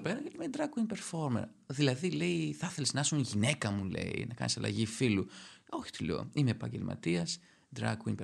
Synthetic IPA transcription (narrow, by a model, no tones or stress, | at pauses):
peɾɐjelimed̪ɾɐkuiŋpe̞ɾfo̞ɾmɐ̰ɾ | ðilɐðile̞iθɐθe̞liznɐɐsunʝine̞kɐmule̞̰ḭnɐkɐ̰nisɐlɐ̰ʝifiluo̞çi̥t̪elo̰imeːpɐ̰ɲɟelmʔɐ̰t̪iɐs | d̪ɾɐ̰kwiŋpe